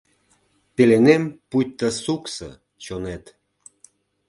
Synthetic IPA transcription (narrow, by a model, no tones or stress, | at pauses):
pelenempujt̪ːəsuksə̰ | t͡ɕonet̪